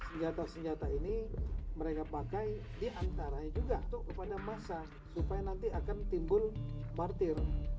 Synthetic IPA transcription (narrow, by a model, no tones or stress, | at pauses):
səɲd͡ʒat̪asəɲd͡ʒat̪ainiməɾekapakaj | diʔant̪aɾaɲad͡ʒuɡat̪ʊʔkəpadamasa | supajanant̪iakant̪imbʊlmart̪ɪr